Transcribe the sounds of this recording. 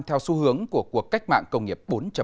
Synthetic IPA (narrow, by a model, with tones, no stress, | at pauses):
t̪ʰɛ˧wsu˨˦hɨ˨˦əŋku˧˩əku˨˩əkːa˦˥jk̟̚ma̰ː˧˨ŋkə˧wŋ͡mŋi˨˩əp̚ɓo˨˦nt͡ɕə˧˩